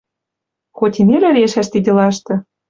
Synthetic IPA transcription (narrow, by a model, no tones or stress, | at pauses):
xot̪ʲinelɘ̆ɾeʃæʃt̪id̪ʲɘ̆lɑʃt̪ɤ̆